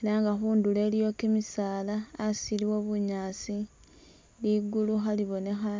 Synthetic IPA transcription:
elaŋɡaxuːndule̞ːljo̞kemisaːlaːsiliwo̞βuɲaːsi | liɡuluxaliβo̞ne̞xa

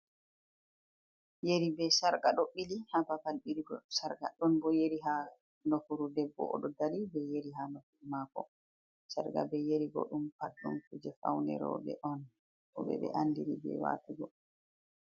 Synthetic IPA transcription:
jeɾibɛsaɾɡaɗɔɓːilihapapalɓiɾiɡɔsaɾɡa̰ɗɔnbɔjeɾiɦa | nɔfuɾudɛbːɔ̰ʔɔɗɔdaɾibɛjeɾiɦanɔfuɾmakɔ | saɾɡa̰bɛjeɾiɡɔ̰ɗumpadːumkud͡ʒɛfa̰wnɛ̰ɾɔ̰bɛ̰ʔɔn | ɔɓɛ̰ɓɛ̰ʔandiɾibɛ̰wa̰ːtuɡɔ

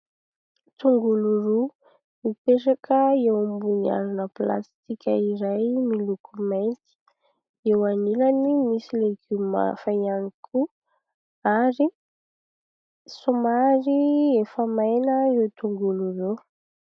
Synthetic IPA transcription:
t̪uŋɡuluru | mipeʈ͡ʂakʰəewmbuɲia̰ɾunəpla̰st̪ikʲəiɾajmilukument̪i̥ | ewanilanimisilekyma̰fajanikʰu | aɾi | somaɾiefəmajnəewt̪uŋɡuluru

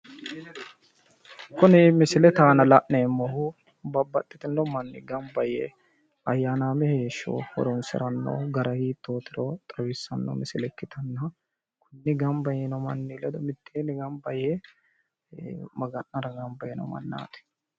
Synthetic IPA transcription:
kʊnɪmɪsɪlɛt̪aːnɐlɐʔneːmːɔhʊ | bɐbːɐt̪ʼːɪt̪ɪnːɔmɐnːɪ̰ɡɐmbɐjɛ | ɐjːaːnaːmɛheːʃːo̰ːhɔ̰ɾɔnsɪ̰ɾɐnːo̰ːɡɐɾɐhiːt̪ːoːt̪ɪɾɔt̪ʼɐwɪsːɐnːɔ̰mɪsɪlɛkːɪt̪ʰɐnːɐ | kʊnːɪɡɐmbɐjɛnɔmɐnːilɛd̪ɔmɪt̪ʰːeːnɪɡɐmbɐjɛ | mɐɡɐnːɐɾɐɡɐmbɐjɛnɔ̰mɐ̰nːa̰ːt̪ɛ̥

